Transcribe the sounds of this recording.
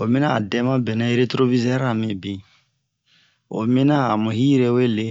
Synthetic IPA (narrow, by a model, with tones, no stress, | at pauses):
o˨mĩ˦na˦a˨dɛ̃˦mã˦bɛ˨na˦e˦ɾe˦tɾo˦vi˦zɛ˦ɾa˨mĩ˨bĩ˨ | o̰˨mĩ˦na˦a˨mũ˨hi˦ɾe˦we˦le˨